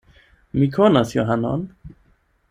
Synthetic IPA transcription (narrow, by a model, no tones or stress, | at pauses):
mikʰɔnasjɔɦanɔ̰n